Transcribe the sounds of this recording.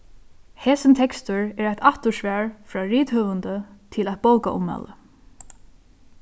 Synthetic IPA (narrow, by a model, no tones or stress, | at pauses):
hɛːsɪnt̪ʰɛkst̪ʊɹɛːɹajt̪aht̪ʊʂʋæːɹfɾɑːɹiːt̪hœːʋənt̪ət̪ʰɪlat̪̚bowkaʔʊ̰mːa̰lə̰